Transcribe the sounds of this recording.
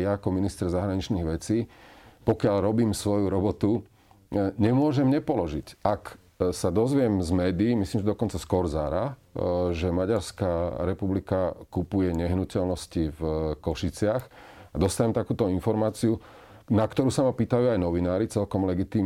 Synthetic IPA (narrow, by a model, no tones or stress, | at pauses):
jaːkɔminist̪ɾɛzaɦɾaɲit͡ʃniɣʋɛt͡siːpɔkɪalɾɔbiːmsʋɔjuɾɔbɔt̪u | ɲɛmʊɔʒɛmɲɛpɔlɔʒicak | sad̪ɔzʋɪɛmzmɛːd̪iːmislimʒɛd̪ɔkɔnt͡saskɔɾzaːɾa | ʒɛmaɟaɾskaɾɛpublikakupujɛɲɛɦnucɛlnɔscivkɔʃit͡sɪaxad̪ɔst̪aɲɛmt̪akuːt̪ɔinfɔɾmaːt͡siu | nakt̪ɔɾuːsamapiːt̪ajuajnɔʋinaːɾit͡sɛlkɔmlɛɡit̪iːm